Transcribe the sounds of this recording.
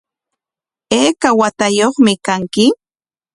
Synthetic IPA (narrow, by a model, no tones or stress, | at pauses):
eːkawat̪ajoχmɪkaŋkɪ